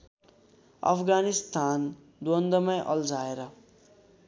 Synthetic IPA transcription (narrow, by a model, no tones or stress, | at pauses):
ʌ̰pʰɡanist̪an | d̪wond̪ʌmʌjʔʌld͡zaeɾʌ